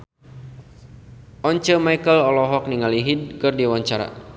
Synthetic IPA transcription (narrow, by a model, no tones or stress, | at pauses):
ʔɔɲt͡ʃəmaikəlɔlɔɦɔk̚niŋaliɦid̚kɨrdiwaɲt͡ʃaɾa̰